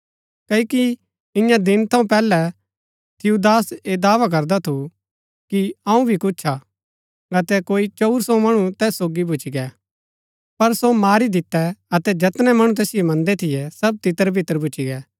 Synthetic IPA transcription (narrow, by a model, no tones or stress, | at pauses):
kɐiki | ɪ̃jãd̪ɪnt̪ʰɐ̃ũpɛːlɛ | t̪ʰɪjud̪aːseːd̪aːʋak̬ɐɾd̪at̪ʰu | kiɐ̃ũbʱikʊːt͡ʃʰa | ɐt̪ɛkoːit͡ʃɔɾsɔ̃mɐɽ̃ut̪ɛːsːoːɡibʊt͡ʃiɡɛː | pɐɾsomaːɾid̪ɪt̪ːɛɐt̪ɛd͡ʒɐt̪nɛmɐɽ̃ũt̪̬ɛːsɪjomɐ̃nd̪ɛt̪ʰɪjɛsɐb̚t̪ɪt̪əɾbʱɪt̪əɾbʊt͡ʃiɡɛː